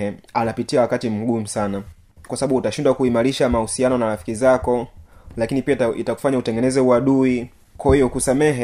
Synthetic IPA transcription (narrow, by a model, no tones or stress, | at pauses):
ɛanapitiawakatim̩ɡum̩sana | kwasaɓaɓuutaʃindwakuimaɾiʃamausianɔnaɾafi̥kizakɔlakinipiaitaku̥faɲautɛŋɡɛnɛzɛuaɗui | kwahijɔkusamɛɦɛ